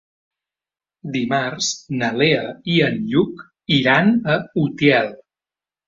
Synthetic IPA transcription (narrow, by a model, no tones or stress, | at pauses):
d̪imaɾz̥nəleəiənʎuk | iɾanəut̪jɛlˠ